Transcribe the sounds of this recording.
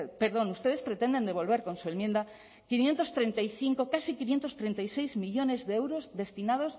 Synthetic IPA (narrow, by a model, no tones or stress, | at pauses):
peɾðo̞nust̪e̞ð̞espɾet̪end̪e̞nd̪e̞β̞o̞lβe̞ɾko̞nsue̞lmjend̪a | kinjent̪o̞st̪ɾent̪ajθiŋkokasikinje̞nt̪o̞st̪ɾent̪ajsejzmiʎo̞ne̞zðeewɾozðe̞st̪inað̞os